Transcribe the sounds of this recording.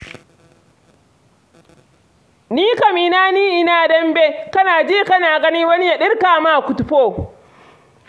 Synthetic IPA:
niː˦ka˨miː˨naː˦niː˦ʔɪ˦naː˦dɐ˦mbeː˦kɐ˦naː˨d͡ʒiː˦˨kɐ˦naː˨ɡɐ˦niː˦wɐ˦ni˦ja˨ɗɪ˦rkaː˨ma˦˨kʷʊ˨tʊ˨ɸoː˦˨

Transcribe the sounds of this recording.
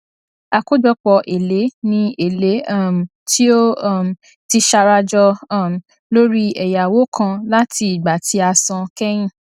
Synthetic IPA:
a˧ko˦d͡ʒɔ˧k͡pɔ˧ʔe˨le˨˦nĩ˧e˨le˨˦˨m˨ | ti˦o˦˨m˨ | ti˧ʃa˧ɾa˧d͡ʒɔ˧˦˨m˨ | lo˦ɾi˦ɛ˨ja˨wo˨˦kʰã˧la˦ti˧i˨ɡ͡ba˨ti˧˦a˧sɔ̃˧kɛ˦j̃ĩ˦˨

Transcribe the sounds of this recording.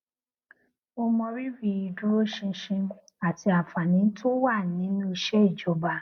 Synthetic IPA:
o˧mɔ̃˧ɾi˦ɾi˧i˧dũ˦ɾo˦ʃĩ˧˦ʃĩ˧˦ | a˨ti˧a˨fa˨nĩ˨˦n̩˦tʰo˦wa˦˨nĩ˨˦nũ˦i˧ʃɛ˦i˦˨d͡ʒɔ˨˦ba˧

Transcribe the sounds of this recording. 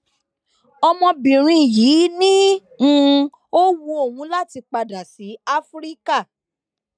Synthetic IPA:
ɔ˧mɔ̃˧bĩ˨ɾ̃ĩ˧ji˨˦nĩ˦ | ũ˧ | o˦wu˧o˦˨wũ˨˧˦la˦˨ti˧k͡pa˧da˨si˨˦a˦fɾi˦ka˦˨

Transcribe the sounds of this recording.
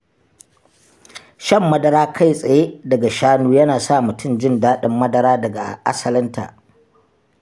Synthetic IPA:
ʃɐ˦˨mːɐ˦dɐ˦ɾaː˦kʰa˦˨jsʼɐ˨je˦dɐ˨ɡa˨ʃaː˦nuː˦jɐ˦naː˨sa˦˨mʊ˨tʰʊ˦˨md͡ʒɪ˦ndaː˦ɗɪ˦mːɐ˦dɐ˦ɾaː˦dɐ˨ɡa˨ʔa̰˦sɐ˨lɪ˦nta̰˨

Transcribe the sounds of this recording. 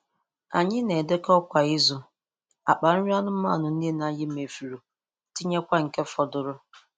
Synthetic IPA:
a˨ɲɪ˦ne˨de˦kɔ˦kʷa˨ɪ˦zʊ˨ | a˨k͡pa˨ɾ̩˦ɾi˦a˦nʊ˦m̩˦ma̰˦˨nʊ˨n̩˦di˦e˦na˦jɪ˦me˨fi˨ɾu˨ | ti˦ɲe˦kʷa˦ŋ̩˨ke˦fɔ˨dʊ˨ɾʊ˦

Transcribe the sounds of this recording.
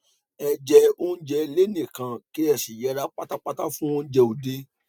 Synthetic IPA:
ɛ˧d͡ʒɛ˧o˦n̩˦d͡ʒɛ˧le˦nĩ˦˨kã˧ke˦ɛ˦˨si˨jɛ˨˧˦ɾa˨˦k͡pa˦ta˦k͡pa˦ta˦fũ˦õ˦d͡ʒɛ˧o˨de˦

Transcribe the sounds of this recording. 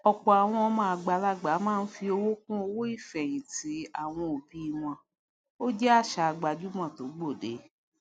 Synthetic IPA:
ɔ˨k͡pɔ˨a˨w̃ɔ̃˧ɔ˧mã˧˦a˧ɡ͡ba˧la˦ɡ͡ba˨˦mãː˦˧n̩˦fi˧o˧wo˦k̚ũ˦o˧wo˦i˦˨fɛ˨j̃ĩ˨ti˨˦a˦˨w̃ɔ̃˧o˨bi˨˦i˧w̃ɔ̃˧˦ | o˦d͡ʒɛ˦a˦˨ʃa˨˧ɡ͡ba˨d͡ʒu˦mã˦˨to˨˦ɡ͡bo˦˨dḛ˨˦

